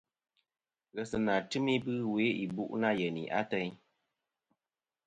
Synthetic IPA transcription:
ɣɛ˨sɨ˨na˨tɨ˦mi˦bɨ˦we˨˦i˨bu˦ʔna˦jɛ˨nḭ˨ʔa̰˦tɛ˦ɲ

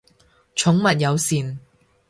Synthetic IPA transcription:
t͡ʃʰʊ˨˥ŋmɐ˨t̚jɐ˨˧wsiː˨n

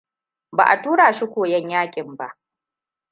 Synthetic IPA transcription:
ba̰˨ʔa̰˨tuː˦ɽaː˨ʃi˦kʷoː˨jɛ˦ɲjaː˦kʲʼɪ˨mba˦ʔ

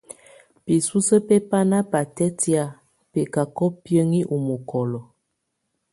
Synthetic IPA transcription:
pi˨su˦sə˦pe˦pa˦na˦pa˨tɛ˦ti˦a˨ | pɛ˨ka˨kɔ˦pjə˦ŋi˦ʔu˨mo˨kʰɔ˨lɔ˨

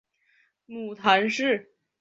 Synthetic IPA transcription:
mu˨˩t̪ʰa˧˥nʂɻ̩˥˩

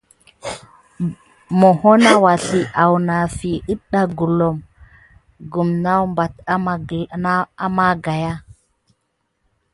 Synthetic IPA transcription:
mo˨ho˦na˦wa˨ɬi˨ʔa˨wna˨fi˨ɨ˦ɗa˦ɡu˨lo˨m | ɡu˨mna˦wmba˨t | a˦ma˦ɡa˨ja˦

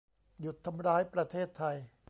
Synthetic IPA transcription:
ju˨˩t̪ʰːa˧mɾaː˦˥jpɾa˧t̪ʰeː˥˩t̪ʰːa˧j

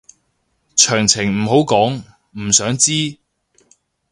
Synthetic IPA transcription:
t͡ʃʰœː˨˩ŋt͡sʰɪ˨˩ŋm̩ː˨˩ɦo˨˥wkɔː˨˥ŋ | m̩˨˩sœː˨˥ŋt͡siː˥

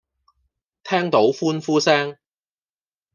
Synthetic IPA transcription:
t̪ʰɛː˥ŋt̪o˨˥wfuː˥nfuː˥sɛː˥ŋ

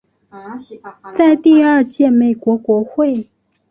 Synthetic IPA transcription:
t͡sa˥˧ɪt̪i˥˧ə˞˥˧t͡ɕjɛ˥˩me˨˩ɪkwɔ˧˥kwɔ˧˥xwe˥˩ɪ

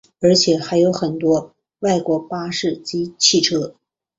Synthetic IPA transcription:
ə˞˧˥t͡ɕʰjɛ˨˩˦xa˧˥ɪjo˧˥ʊxə˨˩nt̪wɔ˥ | wa˥˩ɪkwɔ˧˥pa˥ʂɻ̩˥˩t͡ɕi˧˥t͡ɕʰi˥˩ʈ͡ʂʰɤ˥

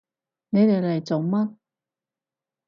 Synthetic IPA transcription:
ne˨˧jt̪e˨jlɐ˨˩jt͡so˨˩wmaː˥

